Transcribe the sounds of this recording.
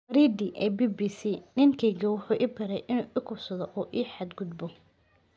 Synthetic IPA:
ɐɾiːd̪iʔɛːbiːbiːsiːnɪŋkʰɛjɣɐwʊħuːʔɪbɐɾɛjʔɪnuːʔɪkʰʊsɐðɔʔɔːʔiːħad̪ɡʊd̪bɔ

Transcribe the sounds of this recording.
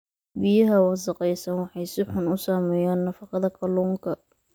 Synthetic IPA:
bɪjɐɦɐwɑsɑqɛjsɐnwɑħɑjsɪħʊnʊsaːmɛːjaːnːɐfɑqɑðɐkʰɐluːŋkʰɐ

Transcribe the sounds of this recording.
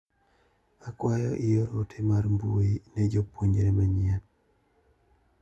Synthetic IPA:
akwajɔʔijoɾotʰemaɾmbuinɛd͡ʒopoɲd͡ʒɾemaɲɪan

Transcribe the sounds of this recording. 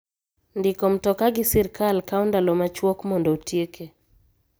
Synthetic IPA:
ndɪkɔm̩tɔkaɡɪsɛɾkalkaundalɔmat͡ʃwokmɔndɔotjeke

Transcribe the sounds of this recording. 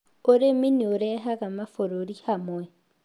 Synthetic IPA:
ʊɾeminiʊɾɛɦakamafoɾoɾihamʊɛ

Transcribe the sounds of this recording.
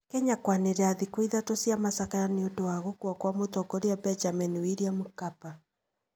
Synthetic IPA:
kɛɲakwaneɾɛaðikwiðatosiamasakajaniodowaɣokuakwamotɔkoɾeabɛnd͡ʒaminiwiɾiamukapa

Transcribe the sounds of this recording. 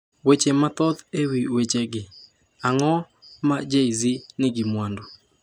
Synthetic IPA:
wet͡ʃemat̪ɔd̪ewiwet͡ʃeɡɪ | aŋɔ | mad͡ʒeizinɪɡɪmwando

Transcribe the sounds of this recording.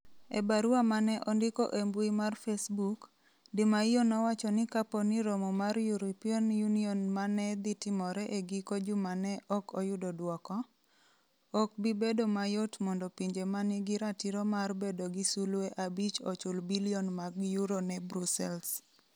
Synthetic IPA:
ḛbaɾuamanɛʔɔndɪko̰ʔembwimarfesbuk | dɪmaijonɔwat͡ʃɔnɪkapɔniɾomɔmarjuɾipionjuniɔnmanɛd̪ɪtɪmɔɾɛʔeɡikod͡ʒʊmanɛʔɔkɔjʊdɔdwɔkɔ | ɔk̚bibedomajotmɔndɔpiɲd͡ʒemanɪɡɪɾatiɾɔmarbedoɡisulweʔabit͡ʃɔt͡ʃʊlbiliɔnmaɡjuɾonɛbɾusɛls

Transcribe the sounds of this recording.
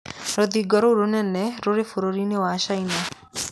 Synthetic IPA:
ɾod̪iɡɔɾoɾunɛnːɛɾoɾefʰuɾoɾinewaʃajna

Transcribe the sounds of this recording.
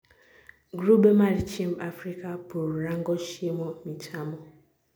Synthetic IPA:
ɡɾubemaɾit͡ʃimafɾikapuɾɾaŋ̩ɡɔʃemɔmitʰamɔ

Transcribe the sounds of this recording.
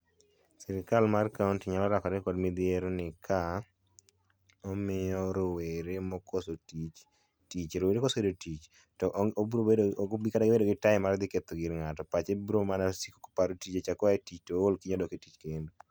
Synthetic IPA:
sɪɾɪkalmarkauntiɲalɔɾakɔɾɛkɔdmid̪ɪeɾonɪkʰa | ɔmɪjɔɾoweɾemɔkʰosotit͡ʃ | tit͡ʃɾoweɾekosoedotit͡ʃ | tɔʔbɾobikadaɡɪbedoɡɪtaɪmaɾd̪ɪket̪oɡiɾŋatɔpat͡ʃebɾomanasiko̥ko̥paɾotit͡ʃet͡ʃakɔaetit͡ʃtoolkiɲɔdɔketit͡ʃkendu

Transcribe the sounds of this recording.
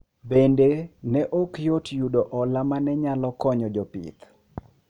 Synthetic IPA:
bendenɛʔokjotjudɔʔɔlamanɛɲalɔkɔɲɔd͡ʒɔpḭt̪

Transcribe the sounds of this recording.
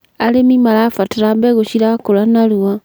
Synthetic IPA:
alemimalafataɾambeɣoʃiɾakolanaluwa

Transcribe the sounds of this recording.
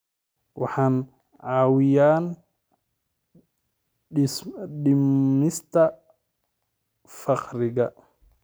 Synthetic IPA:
wʔɑħɑːn | ʕɑːwɪjaːn | sɗɪmːɪst̪ʰɐ | fɑqɾɪɣɐ

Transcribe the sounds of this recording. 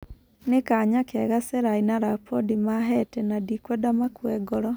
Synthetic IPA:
nekaɲakɛɣasɛɾainaɾapɔdimaɦɛtɛnadikwɛdamakwɛɡɔɾɔ

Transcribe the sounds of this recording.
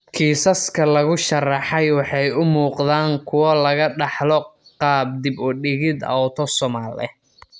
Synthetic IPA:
kʰiːsɐskʰɐlɐɣʊʃɐrɑħɑjwɑħɑjʊmuːqðaːŋkʰʊwɐlɐɣɐɖɑħlɔqɑːb̚d̪ɪbʊɖɪɣɪd̪ɐ̰ɔt̪ʰɔsɔmaːlɛ̰

